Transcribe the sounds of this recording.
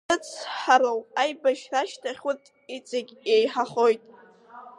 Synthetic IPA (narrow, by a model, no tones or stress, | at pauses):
ɨt͡sʰħaɾawajbaʃraʃtʰaχʲʊtʼ | it͡sʼɪɡʲejħaχojtʼ